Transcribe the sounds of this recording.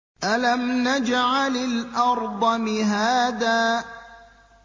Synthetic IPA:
ʔalamnad͡ʒʕalɪlʔɑɾˤd̪ˤɑmɪɦaːðaː

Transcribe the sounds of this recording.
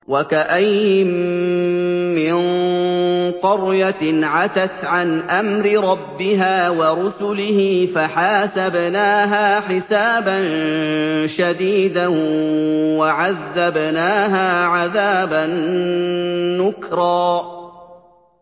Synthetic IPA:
wakaʔajɪm | mɪn | qʊɾjaʕat̪at̪ʕanʔamɾɪɾˤɑbːɪɦaːwɑɾʊsʊlɪhiːfaħaːsabnaːɦaːħɪsaːban | ʃad̪iːd̪a | waʕaðːabnaːɦaːʕaðaːban | ʊkɾˤɑː

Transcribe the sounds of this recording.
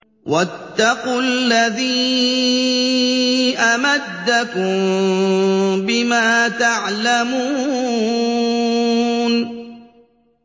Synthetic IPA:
wʔat̪ːɑqʊlːaðiː | ʔamad̪ːakʊm | bɪmaːt̪aʕlamu | n

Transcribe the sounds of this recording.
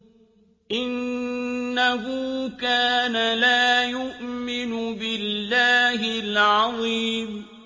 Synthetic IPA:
ʔɪnː | aɦuːkaːnalaːjʊʔmɪnʊbɪlːaːɦɪlʕɑðˤiːm

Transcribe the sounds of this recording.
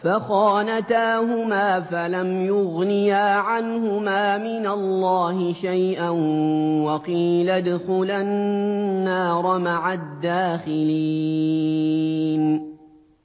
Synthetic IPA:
faxɑːnat̪aːhʊmaːfalamjʊɣnɪjaːʕanhʊmaːmɪnalːɑːhɪʃajʔanwɑqiːlad̪ʊxʊlanː | aːɾˤɑmaʕad̪ːaːxɪliː | n

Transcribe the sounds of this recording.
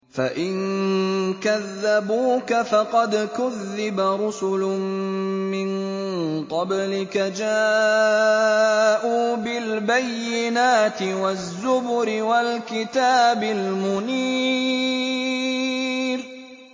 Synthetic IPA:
fa̰ʔɪn | kaðːabuːkafɑqɑd̪kʊðːɪbaɾʊsʊlʊmmɪnqɑblɪkad͡ʒaː | ʔuːbɪlbajːɪnaːt̪ɪwazːʊbʊɾɪwalkɪt̪aːbɪlmʊniː | ɾ

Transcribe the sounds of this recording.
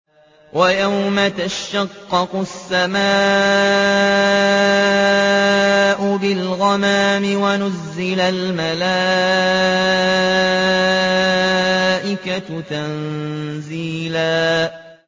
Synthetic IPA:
wʔajawmat̪aʃʃɑqːɑqʊsːamaː | ʔʊbɪlɣɑmaːmɪwanʊzːɪlalmala | ʔɪkat̪anziːlaː

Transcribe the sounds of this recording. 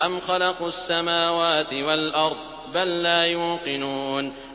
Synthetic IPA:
ʔamxalɑqsːamaːwaːt̪ɪwalʔɑɾˤd̪ˤ | balːaːjuːqɪnuːn

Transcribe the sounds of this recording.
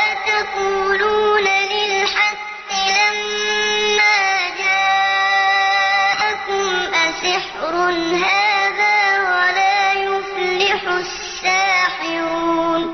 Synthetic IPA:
at̪ɑquːluːnalɪlħɑqːɪlamː | aːd͡ʒaː | ʔakʊmʔasɪħɾʊnɦaːðaːwalaːjʊflɪħʊ | sːaːħɪɾuːn

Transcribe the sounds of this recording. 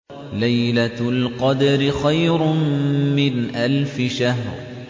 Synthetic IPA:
lajlalqɑd̪aɾɪxajɾʊmɪnʔalfɪʃaɦɾ

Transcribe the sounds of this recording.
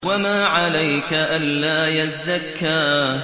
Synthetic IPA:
wamaːʕalajkaʔanlaːjazːakːaː

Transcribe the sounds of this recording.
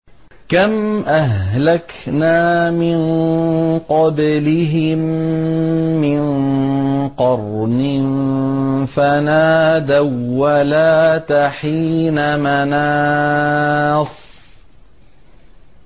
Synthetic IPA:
kamʔaɦlaknaːmɪn | qɑblɪɦɪmː | ɪn | qɑrˤnɪn | fanaːd̪awːalaːt̪aħiːnamanaː | sˤ

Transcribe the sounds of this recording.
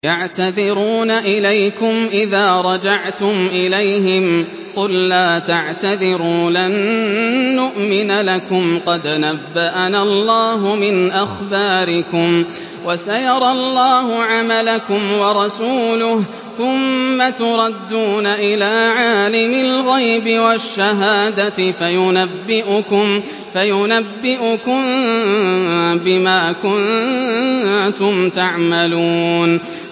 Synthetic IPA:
jaʕt̪aðɪɾuːnaʔɪlajkʊmʔɪðaːɾˤɑd͡ʒaʕt̪ʊmʔɪlajɦɪm | qʊlːaːt̪aʕt̪aðɪɾuːlanː | ʊʔmɪnalakʊmqɑd̪nabːaʔanalˤːɑːɦʊmɪnʔaxbaːɾɪkʊm | wasajɑɾˤɑlːɑːɦʊʕamalakʊmwɑɾˤɑsuːlʊh | θʊmːat̪ʊɾˤɑd̪ːuːnaʔɪlaːʕaːlɪmɪlɣajbɪwaʃːaɦaːd̪at̪ɪfajʊnabːɪʔʊkʊm | fajʊnabːɪʔʊkʊn | bɪmaːkʊn | t̪ʊmt̪aʕmaluːn

